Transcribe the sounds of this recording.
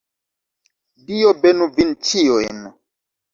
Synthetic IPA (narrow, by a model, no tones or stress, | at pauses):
dijɔbɛnũvint͡ʃijɔɛnɔ